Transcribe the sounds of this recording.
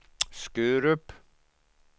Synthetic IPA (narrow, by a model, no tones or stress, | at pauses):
skʉːɾʏp